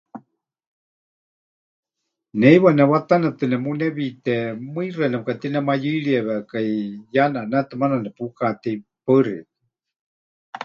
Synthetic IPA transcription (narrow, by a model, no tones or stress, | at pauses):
nɛiwanɛβat̪anat̪ɨnɛmunɛβit̪ɛmɨirɛnɛmkat̪inɛmajiɺiɛβɛkaijananat̪ɨmananɛpukat̪ɛpɨɾḭt̪ɨ̥